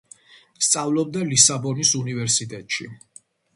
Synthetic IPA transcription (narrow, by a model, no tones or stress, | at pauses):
st̪sʼavlɔb̚d̪alisabɔnisunivɛɾsit̪ʼɛt̪ʼʃḭ